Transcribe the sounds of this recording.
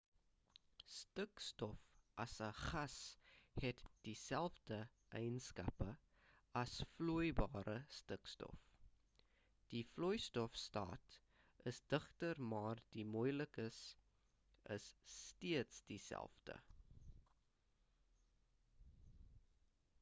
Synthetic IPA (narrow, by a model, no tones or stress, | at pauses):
stəkstɔfʔɐsəχɐshɛtd̥isælˠfdə | ʔɛjnskɐ̰pə | ɐsfluəjbɑːɾəstəkstɔ̰f | d̥iflɔjstɔfstɑ̰ːt | əsdəχtərmɑːrd̥imuːjləkəs | əsːtiətsd̥isæ̰lˠfdə̰